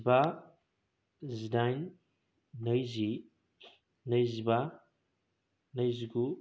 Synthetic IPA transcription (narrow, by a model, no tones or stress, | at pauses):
ba | zidajn | nəjzi | nəjziba | nəjziɡu